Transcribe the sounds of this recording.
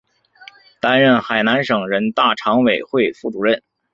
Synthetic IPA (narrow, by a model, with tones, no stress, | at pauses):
t̪a˥nɻə˥˩nxa˨˩ɪna˧˥nʂɤ˨˩ŋɻə˧˥nt̪a˥˩ʈ͡ʂʰɑ˧˥ŋwe˨˩ɪxwe˥˧ɪfu˥˩ʈ͡ʂu˧˥ɻə˥˩n